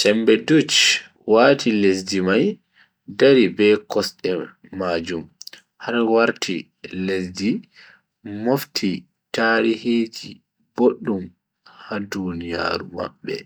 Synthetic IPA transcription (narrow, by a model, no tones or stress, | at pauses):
t͡ʃɛmbɛdut͡ʃ | waːtʰiles̬dimaj | daɾibɛkɔsɗɛ | maːd͡ʒum | haɾwaɾtʰi | lesdi | moftʰi | taːɾihiːd͡ʒi | b̥oɗːum | hadunija̰ːɾuma̰ɓːɛ̰